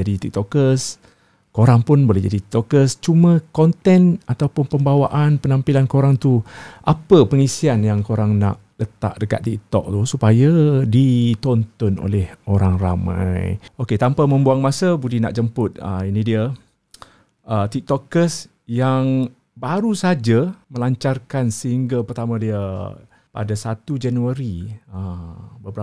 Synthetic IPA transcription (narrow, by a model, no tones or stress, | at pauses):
d͡ʒadit̪ik̚t̪ɔkəs | koɾaŋpʊnbolɛɦd͡ʒadit̪it̪ɔkəst͡ʃumə̃kɔnt̪ɛnat̪awpʊnpəmbawaʔanpənampilankoɾaŋt̪uʔapəpəŋisianjaŋkoɾaŋna̰ʔ | lət̪a̰ʔ̚dəka̰t̪ːik̚t̪ɔ̰k̚t̪usupajadit̪ɔnt̪ɔno̰lɛhoɾaŋra̰mã̰joket̪ampamə̃mbuaŋmasəbudihna̰ʔd͡ʒəmpʊt̪̚ə̰inidiə | ʔət̪ik̚t̪ɔkəs | jaŋ | baɾusad͡ʒaməlaɲt͡ʃarkansəɦiŋɡapərt̪amãdiə | pa̰dasat̪ud͡ʒanuaɾiəbəbəɾa